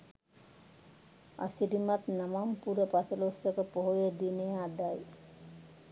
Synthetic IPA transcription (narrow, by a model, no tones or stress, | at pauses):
a̰siɾimat̪namampuɾəpasəlosəkəpoɦojed̪inejəad̪aj